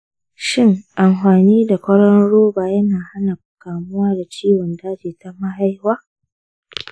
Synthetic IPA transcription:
ʃɪ˦ŋʔa˨mɸaː˨niː˦da˨kʷɐ˦ɽɐ˦nɽoː˦baː˨jɐ˦naː˨ha˦na˨kkaː˨mʊ˦waː˦da˨t͡ʃiː˦wɔ˨ndaː˦d͡ʒeː˨ta˦ma˦ɦa˦jhwaː˦

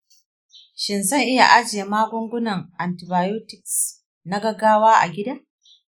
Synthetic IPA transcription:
ʃɪ˨nzɐ˦ŋʔɪ˦ja̰˨ʔa˦d͡ʒɪ˨je˨maː˦ɡʷʊ˦ŋɡʷʊ˦nɐ˨ŋʔa˨ntɪ˨baː˨ju˦tɪ˨ks | na˦ɡɐ˨ɡaː˦waː˦ʔa̰˨ɡʲɪ˦daː˦

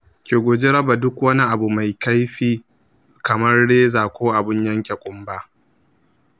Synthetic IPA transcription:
kʲeː˨ɡʷoː˨d͡ʒe˦ɾɐ˦ba˨dʊ˦kwɐ˦ni˦ʔa˨bu˨ma˨jka˦jɸiː˦ | kɐ˨mɐ˦rɽeː˦zaː˨kʷoː˦ʔa˨bɪ˦ɲjɐ˦ŋkʲe˨kʷʼʊ˦mba˦ʔ

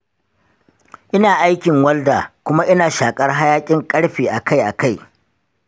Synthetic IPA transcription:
ʔɪ˦naː˨ʔa˦jkʲɪ˨ŋwɐ˦ldaː˨kʷʊ˦ma˦ʔɪ˦naː˨ʃaː˨kʼɐ˦rɦa˦jaː˦kʲʼɪ˦ŋkʼɐ˦ɽɸiː˨ʔa˨ka˦jʔa˨ka˦˨j

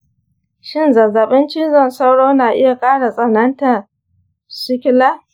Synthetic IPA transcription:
ʃɪ˦˨nzɐ˨za˨ɓɪ˦nt͡ʃɪ˦nzɐ˦˨nsa˦wɽoː˦naː˨ʔɪ˦ja˨kʼaː˦ɽa˨sʼɐ˨nɐ˦nta˨ | sɪ˦kʲɪ˦laː˦

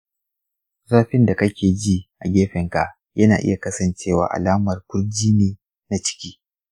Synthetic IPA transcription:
zaː˦ɸɪ˦nda˨kɐ˦kʲeː˨d͡ʒiː˦ʔa˨ɡʲeː˦ɸɛ˨ŋka˨ʔ | jɐ˦naː˨ʔɪ̰˦ja˨kɐ˦sɐ˨nt͡ʃeː˦˨wa̰ː˨ʔa̰˨laː˦mɐ˨rkʷʊ˦rd͡ʒiː˦neː˦ | na˨t͡ʃɪ̥˦kʲiː˦

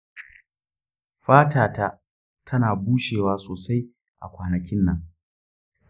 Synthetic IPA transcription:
ɸaː˦taː˨ta˦ | tʰɐ˦naː˨buː˦ʃeː˨waː˦soː˨sa˦j | ʔa̰˨kʷaː˨nɐ˨kʲɪ˦nːɐ˨ŋ

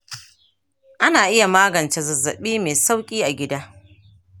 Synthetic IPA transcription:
ʔa˦naː˨ʔɪ˦ja˨maː˦ɡɐ˨nt͡ʃe˨zɐ˨zːɐ̰˨ɓiː˦meː˨sa˦wkʲʼiː˦ʔa˨ɡʲɪ˦daː˦

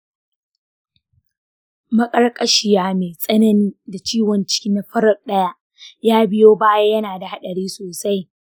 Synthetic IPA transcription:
mɐ˦kʼɐ˦rkʼɐ˨ʃɪ˨jaː˦meː˨sʼɐ˦nɐ˦niː˦da˨t͡ʃiː˦wɔ˨nt͡ʃɪ̥˦kʲiː˦na˨ɸɐ˦ɾɐ˨k̚ʼɗɐ˦ja˦ʔ | jaː˦bɪ˦joː˦baː˦ja˦jɐ˦naː˨da˨ha˦ɗɐ˨ɽiː˦soː˨sa˦j

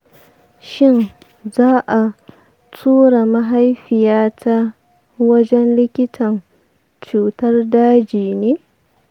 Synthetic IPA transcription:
ʃɪ˦n | zaː˦ʔa˨ | tʰuː˦ɽa˨mɐ˦ɦa˦jɸɪ˨jaː˦tʰa˦ | wɐ˦d͡ʒɛ˦nlɪ˦kʲɪ˦tʰɐ˨n | t͡ʃuː˨tɐ˦rdaː˦d͡ʒiː˨neː˦

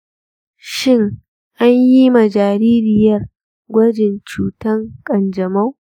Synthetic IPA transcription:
ʃɪ˦ŋ | ʔa˦ɲji˦mɐ˨d͡ʒaː˨ɾiː˦ɾɪ˨jɐ˦r | ɡʷɐ˦d͡ʒɪ˨nt͡ʃuː˨tɐ˦ŋkʼɐ˨nd͡ʒɐ˨mɐ˦w

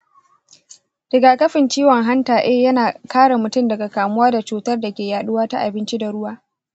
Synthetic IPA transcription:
dɪ˨ɡaː˨kɐ˦ɸɪ˨nt͡ʃiː˦wɔ˨ŋɦa˦ntaː˨ʔɛː˦jɐ˦naː˨kaː˦ɽa˨mʊ˨tʊ˦˨mdɐ˨ɡa˨kaː˨mʊ˦waː˦da˨t͡ʃuː˨tɐ˦rda˨kʲeː˨jaː˨ɗʊ˦waː˦ta̰˦ʔa˨bɪ˦nt͡ʃi˦da˨ɽʊ˦waː˦

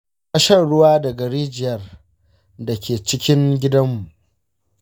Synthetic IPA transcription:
kɐ˦ʃɐ˦nɽʊ˦waː˦dɐ˨ɡɐ˨ɽiː˦d͡ʒɪ˨jɐ˦r | da˨kʲeː˨t͡ʃɪ˦kʲɪ˦ŋɡʲɪ˦dɐ˦mːu˨ʔ

